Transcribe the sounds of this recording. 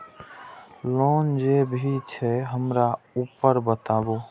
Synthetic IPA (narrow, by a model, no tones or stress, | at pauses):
lond͡ʒebʱit͡ʃʰɛɦəmɾaupəɾbət̪abo